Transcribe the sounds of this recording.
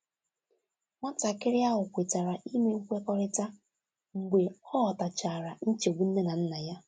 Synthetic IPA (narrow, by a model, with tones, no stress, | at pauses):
ŋʷa˦ta˨kɪ˦ɾɪ˦a˦ɦʊ˨kʷe˨ta˨ɾa˨ʔi˦me˦u˦kʷe˦kɔ˦ɾɪ˦ta˦ | ŋ̩˨ɡʷe˨ɔ˦ɦɔ˨ta˨t͡ʃa˨ɾa˨n̩˦t͡ʃe˨o˨ɡ͡bu˦n̩˦ne˦na˨n̩˦na˨ja˦